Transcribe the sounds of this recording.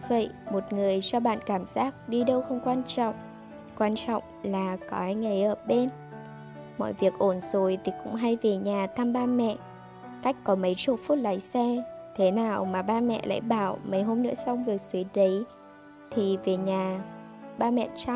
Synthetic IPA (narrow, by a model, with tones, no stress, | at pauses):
və̰˧˨jmo˨˩t̚ŋɨ˨˩əjt͡ɕɔ˧ɓa̰ː˧˨nkaː˧˩mzaː˦˥k̚ɗi˧ɗə˧wxə˧wŋ͡mkwaː˧nt͡ɕɔ̰˧˨wŋ͡m | kwaː˧nt͡ɕɔ̰˧˨wŋ͡mlaː˨˩kɔ˨˦haː˧jŋa˨˩jʔəː˧˩ɓe˧n | mɔ̰˧˨jvi˨˩ək̚ʔo˧˩nzo˨˩jt̪ʰi˨˩kʊ̰˧˥ŋ͡mɦa˧jve˨˩ɲaː˨˩t̪ʰa˧mɓaː˧mɛ̰˧˨ | ka˦˥jk̟̚kɔ˨˦mə˨˦jt͡ɕo˨˦t̚fu˦˥t̚la̰ː˧˩˨jsɛ˧t̪ʰe˨˦naː˨˩wmaː˨˩ɓaː˧mɛ̰˧˨lʔa̰ː˧˥˨jɓaː˧˩wmə˨˩˦jɦo˧mnɨ̰˧˥əsa˧wŋ͡mvɨ˨˩ək̚sɨ˨˦ɗə˨˦j | t̪ʰi˨˩ve˨˩ɲaː˨˩ | ɓaː˧mɛ̰˧˨t͡ɕa˧